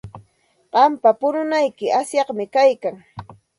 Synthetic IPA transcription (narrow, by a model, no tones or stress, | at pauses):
ɢ̥ɑmpapʊnʊnajkɪasjɑχmɪkajkaŋ